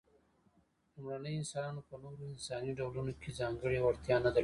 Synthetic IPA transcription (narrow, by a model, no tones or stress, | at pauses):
lumɽanəjoɪnsɑnɑnopənoɾoɪnsɑniɖawlunokʰezɑŋɡəɽewaɽt̪jɑnad̪a